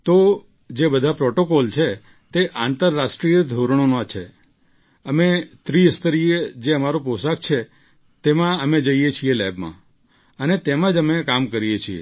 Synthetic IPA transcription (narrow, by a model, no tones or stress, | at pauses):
t̪o | d͡ʒebəd̪ʱapɾɔʈokɔlt͡ʃʰe | t̪eʔant̪əɾːaʃʈɾijəd̪ʱoɾɳ̃onat͡ʃʰe | əmet̪ɾiəst̪əɾijed͡ʒeəmaɾoposak̚t͡ʃʰe | t̪emãəmed͡ʒəijet͡ʃʰielɛbmã̰ | ənet̪emãd͡ʒəmekamkəɾijet͡ʃʰiḛ